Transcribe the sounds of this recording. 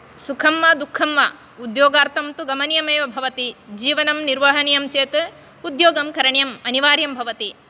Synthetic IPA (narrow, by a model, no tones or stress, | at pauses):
sukʰɐmːɐd̪ukʰːɐmːɐ | ud̪joːɡaːɾt̪ʰɐmt̪uɡɐmɐnjɐmeːʋɐbʱɐʋɐt̪id͡ʒiːʋɐnɐmniɾʋɐɦɐnijɐmt͡ʃeːt̪ | ud̪joːɡɐmkɐɾɐɳjɐmɐniʋaːɾjɐmbʱɐʋɐt̪i